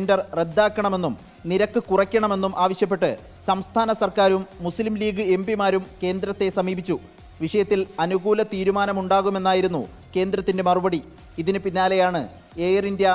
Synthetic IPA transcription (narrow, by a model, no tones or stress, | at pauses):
ndɐrre̞d̪ːaːkːɐɳɐme̞nːum | niɾɐkːɨkurɐkʲːɐɳɐme̞nːumʔaːʋɐɕjɐp̬ːe̞ʈːɨ | sɐmst̪ʰaːnɐsɐrkaːɾumːuslimliːɡɨe̞mbimaːɾumke̞ːnd̪ɾɐt̪ːe̞sɐmiːbit͡ɕːu | ʋiʂɐjɐt̪ːilɐnuɣuːlɐt̪iːɾumaːnɐmuɳɖaːɣume̞nːaːjiɾun̪ːṵ | ke̞ːnd̪ɾɐt̪ːinde̞mɐrubɐɽi | iðinɨpinːaːle̞jaːɳɨ | eːjrindjɐ